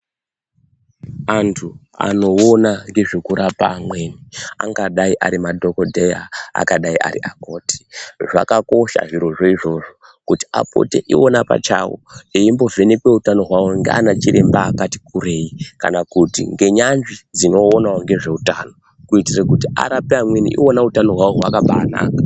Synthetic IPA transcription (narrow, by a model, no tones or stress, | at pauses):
antʰu | a̰no̞onaŋɡe̞ʐekuɾapa̰ːmwe̞ːnia̰ŋɡaɗaiʔa̰ɾimadʱo̞kodʱeja̰ːkaɗaiʔa̰rḭʔako̞ːte̥ʐa̰kako̞ʃa̰ʐiɾo̞ʐoiʐo̞ʐo̞ | kuti̥a̰po̰teʔionapa̰t͡ʃa̰wo̰eimbo̞ve̞nepwe̞utano̞ɦwawoŋɡea̰nat͡ʃiɾe̞mbaːkati̥kure̞ika̰nakutḭŋɡe̞ɲanʐid͡zino̞ːnawoŋɡe̞ʐe̞utano̞ | kuitirekutia̰ɾapeamwe̞nḭʔḭo̞nautano̞ɦwawoɦwakaɓaːna̰ːka